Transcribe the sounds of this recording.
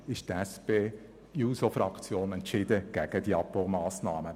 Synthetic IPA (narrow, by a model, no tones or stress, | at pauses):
ɪʃt̪ɛspeː | juːsofɾɑkt͡sjoːnɛntʃɪd̥̪əɡ̥ɛɡ̥ədiɑpomɑːsnɑːmə